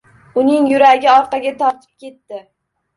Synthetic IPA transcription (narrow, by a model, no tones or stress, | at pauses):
ʊnɪŋjʊɾaɡʲɪɒɾqʰɑɡʲat̪ʰɒɾt̪ʰɪ̥p̚kʲe̞t̪ːɪ